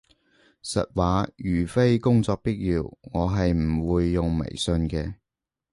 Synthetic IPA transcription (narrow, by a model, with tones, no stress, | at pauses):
sɐ̰˨t̚waː˨˥jyː˨˩fe˥jkʊ˥ŋt͡sɔː˧k̚piː˥t̚jiː˧wŋɔː˨˧ɦɐ˨jm̩˨˩wuː˨˧jːʊ˨ŋmḛ˨˩jsɵ˧nkɛː˧